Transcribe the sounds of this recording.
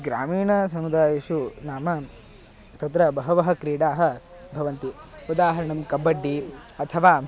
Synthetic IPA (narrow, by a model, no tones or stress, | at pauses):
ɡɾaːmiːɳɐsɐmud̪aːjɐʃunaːmɐ | t̪ɐt̪ɾɐbɐɦɐʋɐɦɐkɾiːɽaːɦɐ | bʱɐʋɐnt̪iud̪aːɦɐɾɐɳɐmkɐbːɐɖːi | ɐt̪ʰɐʋaː